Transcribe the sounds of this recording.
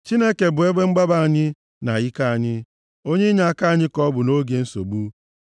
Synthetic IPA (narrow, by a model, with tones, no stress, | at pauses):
t͡ʃi˦ne˦ke˨bʊ˨e˦ɡ͡be˦ŋ͡m̩˦ɡ͡ba˦ba˨a˨ɲɪ˦ | na˨ji˦ka˦a˨ɲɪ˦ | o˦ɲe˦ɲa˨a˦˨ka˦a˦˨ɲɪ˦kɔ˦bʊ˨no˦ɡe˨n̩˦so̰˨ɡ͡bu˦